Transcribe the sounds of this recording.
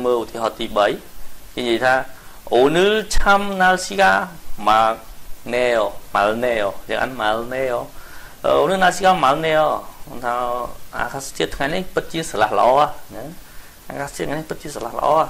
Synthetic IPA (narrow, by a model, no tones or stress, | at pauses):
məːlʔut̪ʰiəɦɑːt̪iːɓəjkeːɲiəjt̪ʰaːʔoːnɨːt͡ɕʰamnalsikaːmak̚neːɔmalneːɔt͡ɕəŋʔa̰nmalneːɔʔəːʔoːnɨːnalsiːkaːmalneːɔmnt̪ʰaːʔa̰ːkaːst͡ɕiət̪ʰŋajnihpɨt̪̚t͡ɕiəsalahlə̆ʔɑːʔahɲəŋ | ʔa̰ːkaːst͡ɕiət̪̚ŋajnihpɨt̪̚t͡ɕiəsalahlə̆ʔɑ̰ːah